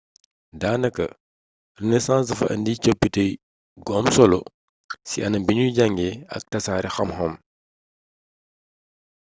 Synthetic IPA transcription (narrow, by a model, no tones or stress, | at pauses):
daːnɐkːɐ | rinɛsãːzɐfɐ̰ʔɐ̰ndicopːitɐj | ɡɔmsɔlṵ | siʔɐnɐbiɲuɟaŋɡɛɐ̰k̚tɐsaːɾixɐmɦɔm